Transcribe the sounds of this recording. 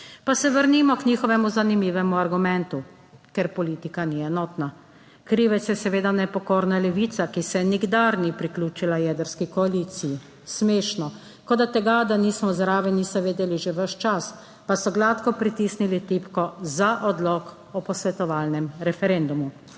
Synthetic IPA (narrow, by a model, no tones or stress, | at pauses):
pasɛʋəɾnimɔkɲiːxɔʋɛmuzanimiːʋɛmuaɾɡumɛnt̪u | kɛɾpɔliːt̪ikaniɛnɔːt̪na | kɾiːʋɛt̪sjɛsɛʋeːd̪anɛpɔkoːɾnalɛʋiːt̪sakisɛɛniɡd̪aɾnipɾiklʲuːt͡ʃilajɛːd̪əɾskikɔaliːt̪siji | smeːʃnɔ | kɔd̪at̪ɛɡad̪aniːsmɔzɾaːʋɛnisaʋeːd̪ɛliʒeʋəʃt͡ʃas | pasɔɡlat̪kɔpɾit̪isnilit̪ipkɔzaʔɔd̪lɔk | ɔpɔsʋɛt̪ɔʋaːlnɛmɾɛfɛɾend̪umu